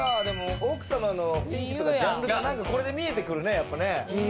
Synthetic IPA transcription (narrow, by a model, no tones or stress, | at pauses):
ad̪e̞mo̞okɯ̟̥samanobʲĩŋkʲi̥t̪o̞kad͡ʑãmɯɾɯnãŋkako̞ɾe̞d̪e̞mʲie̞t̪e̞kɯ̟ɾɯ̟ne̞japːane̞